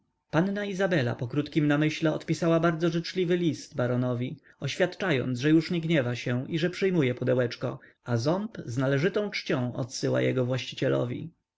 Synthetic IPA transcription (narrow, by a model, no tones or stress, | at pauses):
pannaizabɛla̰pɔkɾut̪kʲimnamɘɕlɛɔt̪pʲisawabaɾd̪zɔʐɘt͡ʂlʲivɘlʲist̪baɾɔnɔvʲi | ɔɕfʲjat̪t͡ʂajɔ̰nt̪sʐɛjuʂɲɛɡɲɛvaɕɛiʐɛpʂɘjmujɛpɔd̪ɛwɛt͡ʂkɔ | azɔmpznalɛʐɘt̪ɔ̃w̃t͡ʂt͡ɕɔ̃w̃ɔ̰t̪sɘwa̰jɛ̰ɡɔvwaɕt͡ɕit͡ɕɛlɔ̰vʲḭ